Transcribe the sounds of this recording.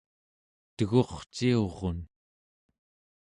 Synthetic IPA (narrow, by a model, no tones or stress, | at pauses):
t̪əɣo̞χt͡ʃio̞ʁon